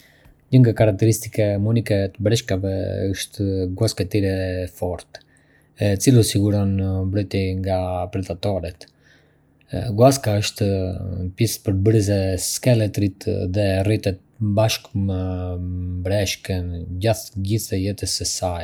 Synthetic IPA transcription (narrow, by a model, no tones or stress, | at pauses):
ɲəŋɡakaɾak̚t̪ɛɾist̪ikɛmunikɛt̪əbɾɛʃkavɛ̰əʃt̪ɡwaskat̪iɾɛfɔɾt̪ | ɛt͡silusiɡuɾɔnmbɾɔjt̪ɛŋɡapɾɛd̪at̪ɔɾɛt̪ | ɡwaskaəʃt̪əpispəɾbɾizɛskɛlɛt̪ɾit̪ðɛrit̪ɛt̪̚baʃkmə | bɾɛʃkənɟaθɟiθɛjɛt̪əsɛsaj